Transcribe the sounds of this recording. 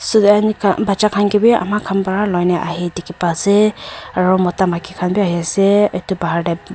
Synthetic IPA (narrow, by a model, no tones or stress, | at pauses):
sudankʰabat͡ʃakʰanɡibia̰makʰampaɹalɔjnaʔa̰ɦidikipasɛaɹumɔtamakʰikʰanbiaɦiasɛetubaɦaɹda